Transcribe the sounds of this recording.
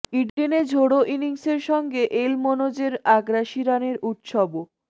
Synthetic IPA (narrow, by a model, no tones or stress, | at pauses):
iɖɖened͡ʑʱoɽoʔiniŋseɾʃɔŋɡeʔelmonod͡ʑeɾaɡɾaʃiɾaneɾut̪ʃɔbo